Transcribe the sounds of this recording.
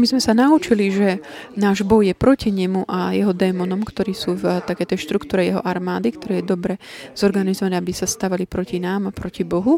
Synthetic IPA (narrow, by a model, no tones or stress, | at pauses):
mizmɛsanaut͡ʃiliʒɛnaːʒbɔjjɛpɾɔciɲɛmuʔajɛɦɔd̪ɛːmɔnɔmkt̪ɔɾiːsuːvt̪akɛjt̪ɛjʃt̪ɾukt̪uːɾɛjɛɦɔʔaɾmaːd̪ikt̪ɔɾɛːjɛd̪ɔbɾɛz̥ɔɾɡanizɔʋaɲabisast̪aʋalipɾɔcinaːmapɾɔcibɔɦu